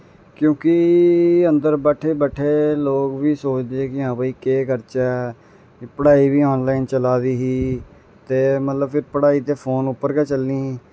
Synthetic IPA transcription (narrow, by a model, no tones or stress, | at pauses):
kjõːkɪənd̪əɾbɛːʈʰeːbəʈʰeːloːkʋiːsoːt͡ʃd̪eːɦɛːkɪɦãːbəːiːkeːkəɾt͡ʃɛː | pəɽaːiːbiːɔːnlaːint͡ʃəlaːd̪iːɦiː | t̪eːmət̪ləbpʰɪɾpəɽaːiːt̪eːpʰoːnʊpːəɾɡɛːt͡ʃəlniː